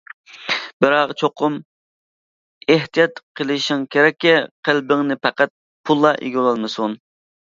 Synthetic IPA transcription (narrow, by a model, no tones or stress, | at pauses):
bɪɾɑʁt͡ʃʰoqʊm | eht̪ijɑt̪qʰəlˠɪʃɪŋkʲʰeɾɛkʲːɛqʰəlbɪŋnɪpæqæt̪̚ | pʰulˠːɑʔḛɡʲolˠɑlˠmɨsun